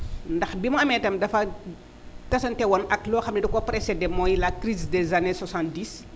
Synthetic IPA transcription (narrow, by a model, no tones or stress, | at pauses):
ndɐxbimɐɐmɛtɐmdɐfɐ | tɐsɐntɛwɔnɐklɔːxɐmnɛdukɔpɾɛsɛdɛmɔjlɐkɾizdɛzaneswasãnt̚diːs